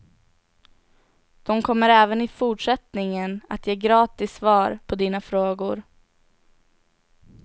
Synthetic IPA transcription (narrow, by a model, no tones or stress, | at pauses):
d̪̥ɔmkʰɔmːəɾɛːvənɪfuʈʂɛt̪nɪŋəna̰t̪ʰjeːɡɾɑːt̪ɪsːvɑːɾpʰɔd̪iːnafɾoːɡʊɾ